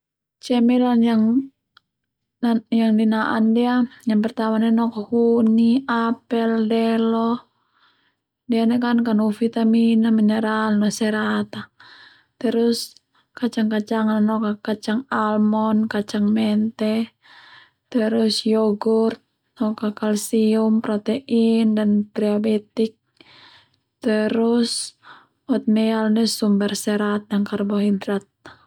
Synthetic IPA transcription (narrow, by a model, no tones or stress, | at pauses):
t͡ʃɛmɛlanjaŋ | jaŋdinaʔa̰ndiajaŋpɛrt̪amanɛnɔkakuniapɛldɛlɔ | dianɛkankanufit̪aminamɛnɛɾalnɔsɛɾat̪a | t̪ɛɾus | kat͡ʃaŋkat͡ʃaŋananɔkakat͡ʃaŋalmɔnkat͡ʃaŋmɛnt̪ɛ | t̪əɾusjɔɡurt̪̚ | nɔkakalsiumpɾɔt̪ɛʔindanpɾɛobɛt̪ik̚ | t̪əɾus | ɔt̪̚mɛalnɛsumbɛrsɛɾat̪̚jaŋkarbaɦidɾat̪̚